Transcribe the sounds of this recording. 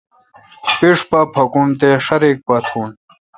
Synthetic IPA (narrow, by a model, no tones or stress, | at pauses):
piʂpɐpʰɐkunt̪eʂɐɾik̚pɐt̪ʰuːn